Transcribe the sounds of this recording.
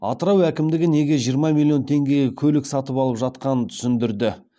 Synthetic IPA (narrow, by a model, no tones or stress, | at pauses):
ɑ̰t̪əɾɑwækʲɪmd̪ɪɡʲɪne̞ɡʲe̞ʒijəɾmɑmʲilʲˠijo̞nt̪ʰe̞ŋɡʲe̞jkʲʰɵlɪksɑt̪əpɑlˠəpʒɑt̪qɑnət̪ʰʏ̥sɪnd̪ɪɾd̪ɪ